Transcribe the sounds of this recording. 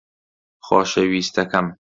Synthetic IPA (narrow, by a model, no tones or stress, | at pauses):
xɔ̰ːʃewiːst̪ʰɐkɐm